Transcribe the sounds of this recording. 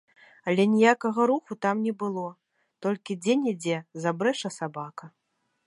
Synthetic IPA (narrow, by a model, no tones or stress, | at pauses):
ɐlʲɛnʲijakɐɣɐɾuxut̪amnʲɛbɨlˠɔ | t̪ɔlʲkʲid͡zʲenʲɛd͡zʲɛzabɾɛʂɐsabakɐ